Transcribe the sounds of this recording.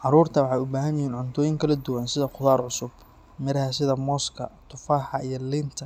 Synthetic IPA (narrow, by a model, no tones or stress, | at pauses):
ʕɑɾuːrt̪ʰɐwɑħɑjʊbaːɦɐnjɪhiːnʕʊnt̪ʰɔːjɪŋkʰɐlɐd̪ʊwɐnsɪðɐqʰʊðaːrʕʊsʊb | mɪɾɐhɐsɪðɐmɔːskʰɐ̰t̪ʰʊfaːħɑijɔlɪnt̪ʰɐ